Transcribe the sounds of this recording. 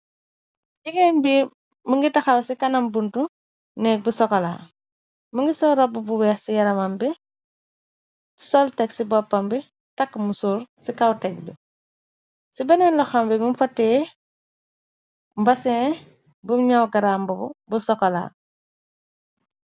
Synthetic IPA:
d͡ʒiɡɛnbi | məŋɡitɐxawsikɐnɐmbuntu | nɛbusɔkɐla̰ | məŋɡisɔɾɔbːubuwɛːxsijɐɾɐmambi | sɔltɛksibɔpːɐmbi | tɐkːmusuːɾsikawtɛk̚bi | sibɐnɛnlɔxambɛbumfɐtːɛː | mbɐsɛ | bumɲawɡɐɾaːmbɔbṵbusɔkɔla̰ː

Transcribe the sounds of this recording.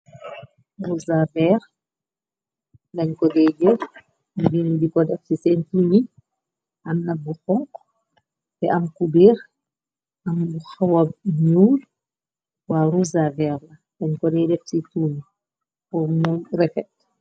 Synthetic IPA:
ɾuzavɛɾ | daɲkɔdɛd͡ʒɛ | dinidikɔdɛfsisɛntuɲi | ʔamnabːuxɔŋk | bɛʔamkubiɾ | ʔambuxawab̚ɲuːl | waɾuzavɛɾna | daɲkɔdɛdɛfsituːɲi | ʔɔmunɾɛfɛt̚

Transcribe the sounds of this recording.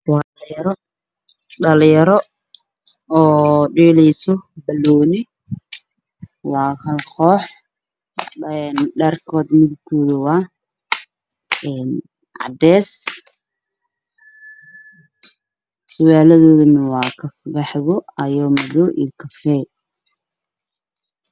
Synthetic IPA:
wɑː | jɾɔ | ɖɐljɐɾɔ | ɔːɖiːlɛjsɔbɐlːɔːnɪ | wɑːkʰɐlqɔːħ | ɛnɖɐrkʰɔːd̪mɪðʊkʰɔːðɐwɑː | ɛːn | ʕɑ̰d̪ɛːs | sʊɣaːlɐðɔːðɐnɐwɑːkʰɐfɡɐħɪɣɔɐjɔːmɐðɔːʔḭːkʰɐfɛ

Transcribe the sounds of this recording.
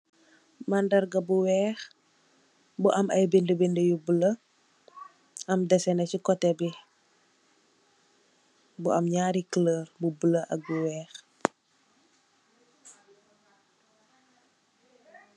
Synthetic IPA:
mandɐɾɡɐbuwɛːx | buʔɐmɐjbindəbindəjubulə | ɐmdɛsɛnɐcikɔtɛbi | buʔɐmɲaːɾikləːrbubələʔɐk̚buwɛːx

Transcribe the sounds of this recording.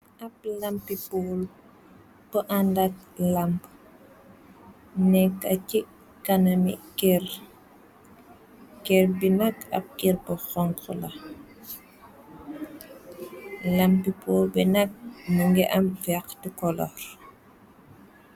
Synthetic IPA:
ʔɐp̚lɐmpipɔːl | pəʔandɐk̚lɐmp | nɛkːɐci | kɐnɐmḭkɛr | kɛrbinɐkɐ̰p̚kirpəxɔŋkəlɐ | lɐmpipɔːlbɛnɐk̚məŋɡɛʔɐmfɛxtəkɔlɔ̰r

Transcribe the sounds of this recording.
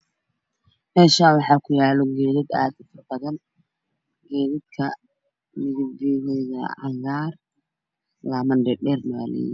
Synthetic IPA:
mɛːʃawɑħɑːkʰʊjaːlɔɡɛːðɪd̪a̰ːd̪ʊfɐrbɐɣɐn | ɡɛːðɪd̪̚kʰɐ | mɪɣɪdiːnɛjɐ̰ʕɑ̰ŋɡaːr | laːmɐnɖɛɖɛːrnɐɣalɛ̰j

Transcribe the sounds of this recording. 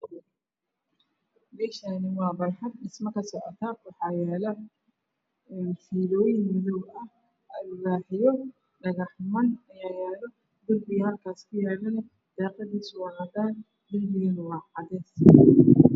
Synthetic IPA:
mɛːʃanɪwɑːbɐrħɐd̪ɗɪsmɐkʰɐsɔʔɔt̪ʰaːwɑħɑːjɛːlɐ | ɛːfiːlɔːjɪnmɪðɔwɐh | ʔɐlʊraːħɪjɔ | ɖɐɣɑħmɐnɐjaːjɛːlɔ | d̪ʊlbɪjɐlkʰaːskʰʊjaːlɐlɐ | d̪̥ɛːqɐðiːsʊwɑːnɐdaːn | d̪ʊlbɪjɐnwɑːħɑðɛːs

